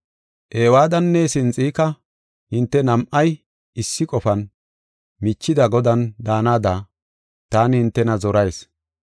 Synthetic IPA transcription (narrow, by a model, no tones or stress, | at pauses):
ʔeːwaːd̪ɐnːɛsɪnt͡sʼiːkɐ | hɪnt̪ːɛnɐmʔɐj | ɪsːɪkʼɔfɐn | mit͡ʃːɪd̪ɐɡɔd̪ɐnd̪aːnaːd̪aː | t̪aːnhɪnt̪ːɛnɐzɔɾɐjs